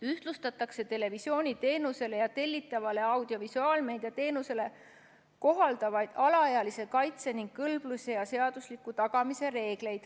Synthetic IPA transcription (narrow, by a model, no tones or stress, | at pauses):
yht̪lust̪ɑt̪ːˑɑkse̞t̪e̞le̞visjo̞ːnʲit̪e̞ːnuse̞le̞jɑt̪e̞lʲːit̪ːˑɑvɑle̞ɑwd̪̥io̞visuɑːlme̞jd̪et̪e̞ːnuse̞le̞ | ko̞ɦɑld̪̥ɑvɑjd̪̥ɑlɑɑjɑlise̞kɑjt̪se̞niŋɡ̥̚kɤlb̥lusʲe̞jɑse̞ɑd̪̥uslikːˑut̪ɑɡ̥ɑmise̞ɾe̞ːɡ̥le̞jd̪̥